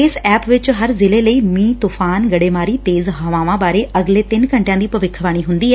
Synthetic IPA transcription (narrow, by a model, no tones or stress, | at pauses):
eːsɛːpʋɪt͡ʃɦəɾzɪleləiːmiːt̪uːfʰaːnɡəɽeːmaːɾiːt̪eːzɦaʋãːʋãːbaːɾeʔəɡleːt̪ɪnkə̃ɳʈjãːd̪iːpəʋɪkʰːʋaːɽ̃iːɦʊ̃nd̪iːɦɛː